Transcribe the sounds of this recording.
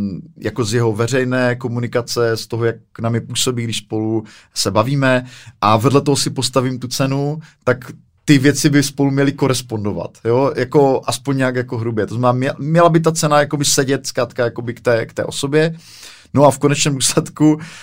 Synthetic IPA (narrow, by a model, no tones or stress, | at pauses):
jako̞zjɛɦo̞vɛr̝ɛjnɛːko̞munɪkat͡sɛst̪oɦojak̚namɲɛpuːso̞biːɡdɪʃspo̞lu | sɛbaviːmɛʔavɛdlɛt̪oɦosɪpo̞st̪avimt̪ut͡sɛnut̪ak | t̪ɪvjɛt͡sɪbɪspo̞lumɲɛlɪko̞ɾɛspo̞ndo̞va̰t̪jojako̞ʔaspoɲɲɛakjakoɦɾubjɛt̪oznamɛnaːmɛmɲɛlabɪt̪at͡sɛnajako̞bɪsɛɟɛt̪skɾaːt̪kajakobɪkt̪ɛːkt̪ɛ̰ːʔo̞so̞bjɛ | no̞afkonɛt͡ʃnɛːmduːslɛt̪ku